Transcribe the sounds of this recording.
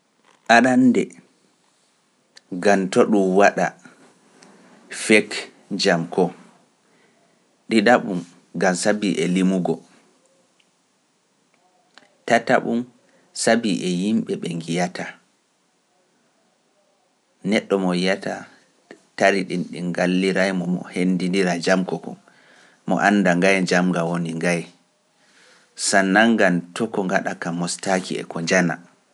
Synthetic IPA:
ʔaɗandɛ | ɡamtoɗumwaɗa | fɛk | d͡ʒamkʰɔ | ɗiɗaɓum | ɡamsabiʔɛlimuɡɔ | tata̰ɓum | sabiʔɛjimɓɛɓɛŋɡijatʰa | nɛɗːɔmɔjijata̰ | taɾiɗinɗiŋɡalːiɾajmɔmɔ̰hendindiɾad͡ʒamkɔkɔ̰ | mɔ̰ʔanːdaŋɡajd͡ʒamɡawoniŋɡaj | sanːaŋɡantɔkɔŋɡaɗakamːɔstakḭɛ̰kɔɲd͡ʒana̰

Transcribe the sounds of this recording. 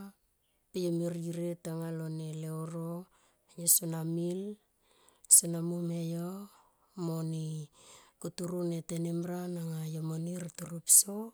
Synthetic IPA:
pejomiɾiɾetaŋaloneleoɾo | josunamil | sunamumejo | moni | kutuɾunetenemɾanaŋajomoniɾatuɾupso

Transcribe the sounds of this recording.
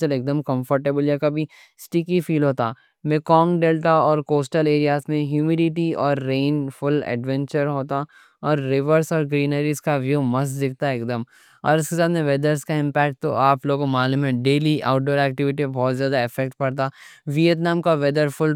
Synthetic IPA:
əleːk̚d̪əmkɐ̃mfəɾʈeːbəljakɐbʱi | sʈɪkifiːlɦoːt̪aː | mɪkɔ̃ːŋɖeːlʈaɔːɾkoːsʈəleːɾijaːsmẽɦjuːmiɖɪʈiɔːɾːẽːnfʊlɛ̰ɖʋɛ̃ɲt͡ʃəɾɦoːt̪a | ɔːɾːɪʋəɾsɔːɾɡɾiːnəɾiskaʋjuːmɐsd̪ɪk̚ʰt̪aeːkd̪əm | ɔ̰ːɾɪskesaːd̪mẽʋed̪əɾskaɪ̃mpɛːk̚ʈ̚t̪o̰ʔaːploːɡmaːlumɦɛ̃ɖeːliʔaːʊʈ̚ɖoːɾɛːk̚ʈɪʋɪʈibɔːt̪zjaːd̪aɪfɛk̚ʈ̚pɐɽt̪aːʋiət̪naːmkaʋed̪əɾfʊl

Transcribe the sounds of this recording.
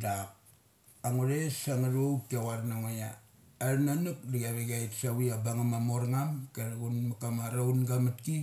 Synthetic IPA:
dak̚ | aŋuɾesaŋaɾowkiawaɾnaŋoja̰ː | ɾnanuk̚ɾiɡaβeɡajtsawiabaŋamamoɾŋamkeɾɡunmakamaɾawnɡamat̚ki

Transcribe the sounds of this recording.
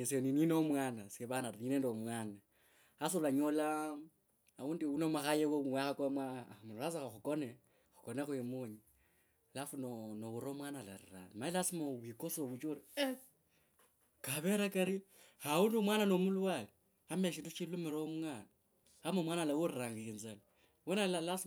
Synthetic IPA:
esenininomwaːnasieβanaɾinedomwaːna | as̬olaɲola | aundiunomaxajewoβuwaxakoamwamulas̬axaxukone | xukonexuemuɲi | lafunonowuɾomwanala̰ɾḭra̰limailasimawikosoβut͡ʃoɾi | kaβeɾakaɾi | haundumwananomulwali | ameʃ̬intut͡ʃilumeɾoomuŋana | amomwanalawoɾiɾaŋɡainzali | wenalalas

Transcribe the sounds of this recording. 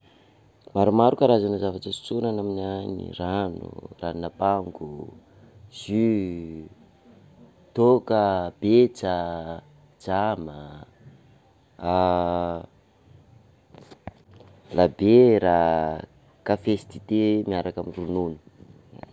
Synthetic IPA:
maɾumaɾukaɾazanəzavaʈ͡ʂəsi̥t͡sunanaminaɲḭranṵrannapaŋɡu | z̥y | t̪okəb̥et͡sa | d͡ʒamə | labeɾa | kafesi̥t̪i̥t̪emiaɾakamirununi̥

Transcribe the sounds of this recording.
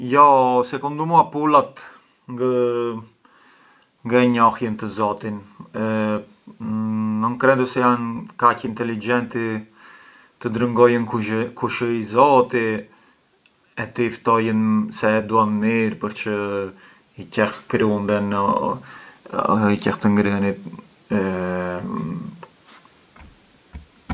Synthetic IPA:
jɔsɛkund̪umuapulat̪ | ŋɡə | ŋɡəɲɔhjənt̪əzɔt̪in | ənkɾɛnd̪əsɛjankacint̪ɛlid͡ʒɛnt̪i | t̪əd̪ɾəŋɡɔjənukuʃəizɔt̪i | ɛt̪əift̪ɔjənsɛd̪uanmiɾpəɾt͡ʃə | icɛxkɾiumd̪ɛn | icɛxt̪əŋɡɾənit̪̚ | ɛ

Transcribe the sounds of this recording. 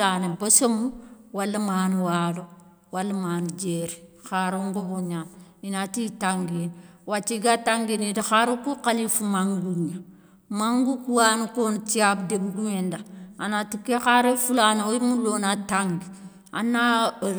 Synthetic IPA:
anebosomuwalːamaːnuwaːlo | walːamand͡ʒeɾixaɾoŋɡoboɲam | inatitaŋɡenwat͡ʃːiɡataŋɡinidixaɾokukalifumaŋɡuɲa | maŋɡukuwanukontiabdebuɡumendaanatikːexaɾefulaneoimulonataŋɡi | a̰na

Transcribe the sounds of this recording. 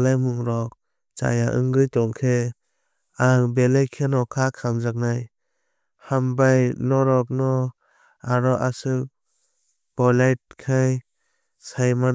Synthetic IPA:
lajmuŋɾɔk̚ | t͡ʃa̰jaʔɯ̰ŋɡɯjtɔŋkʰe | aŋbelajkʰenɔkʰakʰaŋzak̚naj | hambajnɔɾɔk̚nɔ | aɾɔʔasɯk | b̥ɔlajt̚kʰaj | sajma

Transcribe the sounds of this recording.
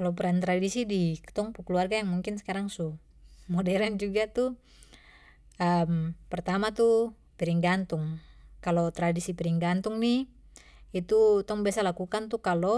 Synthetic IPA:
kalɔp̬ɾant̪ɾadisidikt̪ɔŋpukəluarɡajaŋmuŋkinsɛ̥kaɾaŋsu | mɔdɛɾɛnd͡ʒuɡat̪u | əmpɛrt̪amat̪u | piɾiŋɡant̪uŋkalɔt̪ɾadisipiɾiŋɡant̪uŋni | it̪ut̪ɔŋbiasalakukant̪ukalɔ

